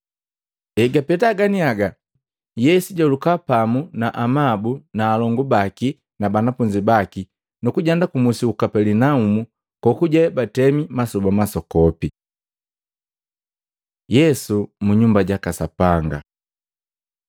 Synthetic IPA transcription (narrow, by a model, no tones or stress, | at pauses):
ɛɡapɛtaɡaniaɡa | jɛsiɟɔlukapamunaʔamabunaːlɔŋɡubaki | nabanafuɲd͡ʒibaki | nukuɟandakumusiukapɛlinaumu | kɔkuɟɛbatɛmimasɔbamasɔkɔpi | jɛsumuɲumbaɟakasapaŋɡa̰